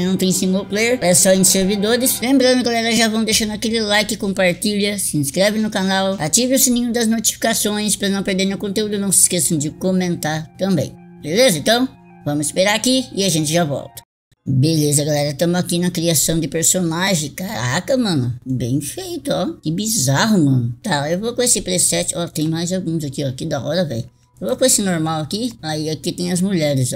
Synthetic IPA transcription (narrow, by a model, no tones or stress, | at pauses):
nɐ̃w̃t̪ẽj̃sĩmoplejɾɛsɔẽj̃seɾvid̪oɾɪslẽmbɾɐ̃nd̪ʊɡalɛɾɐʒavɐ̃w̃d̪ejʃɐ̃nd̪ʊakelɪlajkɪkõmpaɾt͡ʃiʎɐsɪĩskɾɛvɪ̃nʊkanawat͡ʃivɪʊsinĩɲʊd̪ɐznot͡ʃi̥fi̥kasõj̃spɾɐnɐ̃w̃peɾd̪eɾnewkõt̪eud̪ʊnɐ̃w̃sɪ̥skesɐ̃w̃d͡ʒɪkomẽnt̪aɾt̪ɐ̃mbḛ̃j̃belezɐẽnt̪ɐ̃w̃ | vɐ̃mʊzɪspeɾaɾakiɪaʒẽnt͡ʃɪʒavɔ̰wt̪ɐ̥ | belezɐɡalɛɾɐt̪ɐ̃mʊzakinɐkɾiasɐ̃w̃d̪ɪpeɾsonaʒẽj̃kaɾa̰kɐmɐ̃nʊbḛ̃j̃fejt̪ʊɔkɪbizaɦʊmɐ̃nʊt̪aewvokõesɪpɾesɛt͡ʃɪɔt̪ẽj̃majzawɡũzakiɔkid̪ɐɔ̰ɾɐvɛ̰j | ewvokõesɪnoɾmawakiaiakit̪ẽj̃ɐzmuʎɛɾɪz